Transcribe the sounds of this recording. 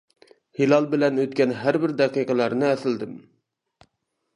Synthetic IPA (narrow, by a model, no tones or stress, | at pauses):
hilˠɑlˠbɪlɛnøt̪kʲɛnɦæɾbɪɾd̪ɛqijqʰəlˠæɾnɪɛsɪld̪ɪm